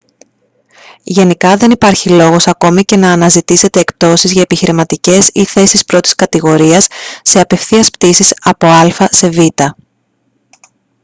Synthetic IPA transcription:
ʝe̞nikɐðe̞nipɐɾçilo̞ɣo̞sɐko̞mice̞nɐːnɐzit̪ise̞t̪e̞ːkp̚t̪o̞sizʝɐepiçiɾimɐt̪ice̞siθe̞sispɾo̞t̪iskɐt̪iɣo̞ɾiɐsːe̞ɐpe̞fθiɐspt̪isisɐpo̞ɐlfɐse̞vit̪ɐ

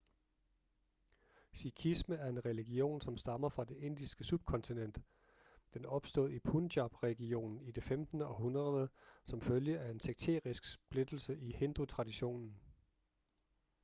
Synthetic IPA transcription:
sikʰisməæɐe̝nʁɛliɡ̥io̝̰ːnsɒ̽msd̥ɑ̈mɐfʁɑ̈d̥e̝ʔe̝n̰d̥isɡ̥əsub̥̚kʰɒ̽nt͡sʰinen̰d̥ | d̥enɒ̽b̥sd̥o̝ð̩ˠipʰundɑb̥ʁɛɡ̥io̝̰ːnn̩id̥e̝femd̥nəɒ̽ɦunʁɐðˠəsɒ̽mføljəæe̝nsʰeɡ̥̚t͡sʰḛːʁisɡ̥sb̥le̝d̥l̩səʔihe̝nd̥ut͡sʰʁɑ̈diɕo̝̰ːnn̩

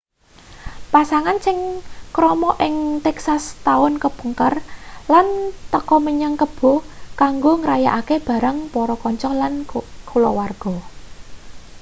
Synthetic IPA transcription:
pasaŋansɪŋkɾɔmɔʔɪŋt̪ɛksast̪aʊnkəb̥əŋkərlant̪əkɔməɲaŋkəb̥o̤kaŋɡoŋɾajaʔakeb̥ä̤ɾaŋpɔɾɔkɔɲt͡ʃɔlankʰulɔwarɡ̥ɔ̤

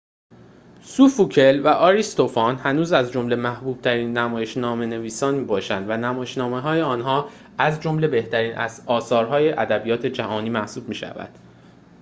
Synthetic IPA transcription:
sufucʰe̞lvæʔɒːɾist̪o̞fɒnhænuːzæzd͡ʒo̞mle̞mæhbuːb̥̚t̪ʰæɾiːnːæmɒːje̞ʃnɒːme̞ne̞viːsɒːnmiːbɒːʃænd̪vænæmɒːjeʃnɒːme̞ɦɒːjeɒːnɦɒː | æzd͡ʒo̞mle̞be̞ht̪ʰæɾiːnʔæ̰zɒːsɒːɾɦɒːje̞ʔæd̪æbijɒːt̪ʰe̞d͡ʒæhɒːniːmæhsuːb̥̚miːʃæ̰væ̰d̪̥

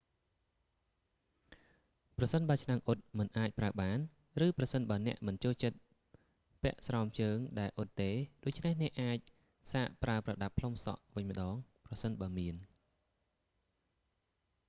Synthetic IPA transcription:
prɑsənɓaːt͡ɕʰnaŋʔot̪̚mɨnʔaːc̚praəɓaːn | rɨːprɑsənɓaənɛ̆əʔmɨnt͡ɕoːlt͡ɕət̪̚ | pɛ̆əʔsrɑɔmt͡ɕəːŋɗaɛlʔot̪ːeːɗoːc̚t͡ɕʰnehnɛ̆əʔːaːc̚ | saːʔpraəprɑɗapʰlomsɑ̰ʔʋɨɲmə̆ɗɑːŋprɑsənɓaəmiən

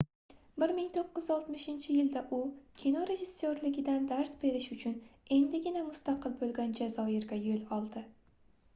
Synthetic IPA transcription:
bɪɾmɪŋt̪ʰoqːɨzɒlˠt̪mɪʃɪnt͡ʃʰɪjɪld̪aʔʊkʲʰinoɾe̞ʒɪsːoɾlɪɡʲɪd̪and̪aɾsbe̞ɾɪʃʊt͡ʃʰʊne̞nd̪ɪɡʲɪnamʊst̪ʰɑqʰɨlˠbolˠɡʲand͡ʒazɒɪɾɡʲajolɒlˠd̪ɪ

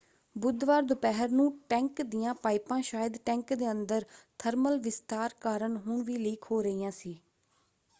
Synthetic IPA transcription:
bʊd̪ʋaːɾd̪ʊpɛɦəɾnũːʈɛ̃ːŋkd̪ɪjãːpaːɪpãːʃaːjəd̪ʈɛ̃ːŋkd̪eːənd̪əɾt̪ʰəɾməlʋɪst̪aːɾkaːɾəɳɦʊɳʋiːliːkʰɦoːɾəiːjãːsiː

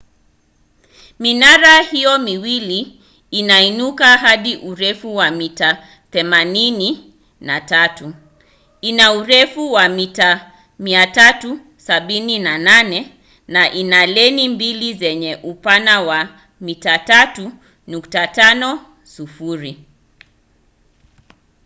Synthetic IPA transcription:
minaɾahijɔmiwiliː | nainukaɦaɗiʔuɾɛfuwamita | θɛmanini | natatu | inauɾɛfuwamita | miatatu | saɓininananɛ | naʔinalɛnimbilizɛɲɛʔupanawa | mitatatu | nuktatanɔ | sufuɾi

